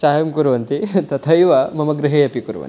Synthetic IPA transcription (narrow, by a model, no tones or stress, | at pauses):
t͡ʃaːjɐmkuɾuʋɐnt̪it̪ɐt̪ʰɐjʋɐmɐmɐɡɾɪɦejɐpikuɾuʋɐ̰ni